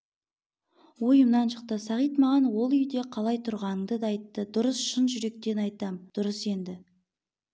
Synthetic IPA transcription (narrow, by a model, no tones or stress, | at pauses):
wo̞jəmnɑnʃə̥q̚t̪əsɑʁijt̪mɑʁɑnwo̞lˠʏjd̪e̞qʰɑlˠɑjt̪ʰʊɾʁɑnəŋd̪əd̪ɑːjt̪ːəd̪ʊɾəsʃənʒʏɾe̞k̚t̪e̞nɑjt̪ɑmd̪̥ʊɾəse̞nd̪ɪ